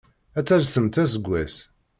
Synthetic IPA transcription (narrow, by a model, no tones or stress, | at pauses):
æt͡sːælsəmt̪æs̬əɡʷːæs